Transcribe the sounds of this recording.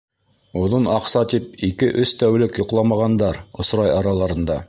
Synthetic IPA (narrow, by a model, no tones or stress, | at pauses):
ŏðonɑqsɑt̪ip̚ikɘʔɵst̪æwlɘkjŏqlˠɑmɑʁɑnd̪ɑɾŏsɾɑjɑɾɑlˠɑɾɤ̆nd̪ɑ